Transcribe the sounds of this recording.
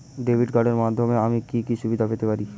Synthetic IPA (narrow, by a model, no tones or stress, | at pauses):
ɖebʱiɖɡaɖeɾmad̪ʱːomeamikikiʃubid̪ʱafet̪epaɾi